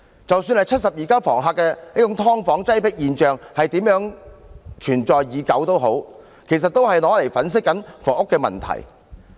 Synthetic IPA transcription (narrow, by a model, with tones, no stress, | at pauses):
t͡sɐ˨wsyː˧nhɐ˨jt͡ʃʰɐ˥t̚sɐ˨p̚jiː˨kaː˥wfɔ̰ː˨˩ŋɦaː˧kːɛː˧niː˥ʊ˨˥ŋt̪ʰɔː˥ŋfɔː˨˥ŋt͡sɐ˥jpɪ˥k̚jiː˨nt͡ʃœː˨ŋhɐ˨jt̪iː˨˥mjœː˨˥ŋ | t͡ʃʰyː˨˩nt͡ʃɔː˨jjiː˨˧kɐ˨˥wt̪o˥wɦo˨˥w | kʰe˨˩js̬ɐ˨t̚t̪ːo˥whɐ˨jlɔː˨˥le˨˩jfɐ˨˥ns̬ɪ˥kːɐ˨˥nfɔː˨˩ʊ˥kːɛː˧mɐ̰˨nt̪ʰɐ̰˨˩j